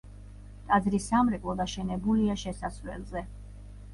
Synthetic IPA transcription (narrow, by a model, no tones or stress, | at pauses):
t̪ʼad̪zɾisamɾɛkʼlˠɔd̪aʃɛnɛbuliaʃɛsasvɛ̰lzɛ